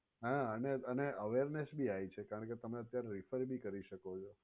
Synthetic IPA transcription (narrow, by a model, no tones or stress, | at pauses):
ɦãəneəneəʋeɾnesbʱiajt͡ʃʰekaɾəɳk̬et̪əmeət̪jaɾeɾifəɾbʱikəɾiʃəkot͡ʃʰo